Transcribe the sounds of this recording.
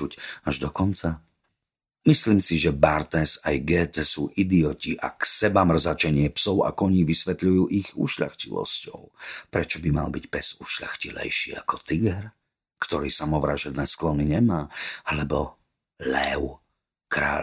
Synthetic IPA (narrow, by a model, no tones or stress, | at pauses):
ucaʒd̪ɔkɔnt͡sa | misliːmsiʒɛbaɾt̪ɛsajɡɛːt̪ɛsuːʔid̪iɔciʔa̰ksɛbamr̩zat͡ʃɛɲɪɛpsɔʊa̰kɔɲiːʋisʋɛt̪ʎujuːʔiɣṵʃʎa̰xcilɔ̰scɔʊpɾɛt͡ʃɔbima̰lbicpɛz̥uʃʎa̰xcilɛ̰jʃiːa̰kɔt̪iɡɛɾ | kt̪ɔɾḭːsamɔʋɾaːʒɛd̪nɛːsklɔniɲɛmaːalɛbɔ | lɛʊ | kɾa̰ː